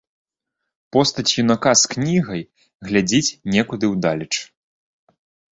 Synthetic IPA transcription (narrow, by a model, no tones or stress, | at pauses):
pɔst̪ɐt͡sʲjunakasknʲiɣɐj | ɣlʲad͡zʲit͡sʲnʲɛkud̪ɨwd̪alʲɐt͡ʂ